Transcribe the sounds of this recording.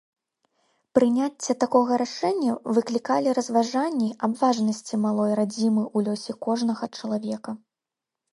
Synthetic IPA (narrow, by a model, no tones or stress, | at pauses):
pɾɨnʲat͡sʲːɐt̪akɔɣɐɾaʂɛnʲːɐvɨklʲikalʲiɾɐzvaʐanʲːiabvaʐnɐsʲt͡sʲimalˠɔjrad͡zʲimɨʔulʲɔsʲɛkɔʐnɐɣɐt͡ʂɐlˠavʲɛkɐ